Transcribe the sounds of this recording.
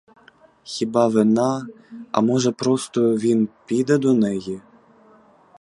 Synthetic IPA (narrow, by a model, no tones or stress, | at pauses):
xʲibɑvɘ̆nɑ | ɑ̰moʐə̆pɾost̪ovʲinpʲid̪ɐd̪onejɘ